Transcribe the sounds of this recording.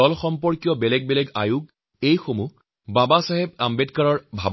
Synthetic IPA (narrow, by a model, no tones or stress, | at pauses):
ɔlxɔmpɔɹkijɔbɛlɛɡ̚bɛlɛɡa̰jʊk̚ | ejxomu | babasaɦɛb̚ambedkaɹɔɹbʱab